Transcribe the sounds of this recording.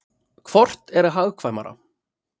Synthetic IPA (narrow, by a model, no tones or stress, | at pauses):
kʰvɔr̥t̪ɛɾɦaɣkʰvajma̰ɾa̰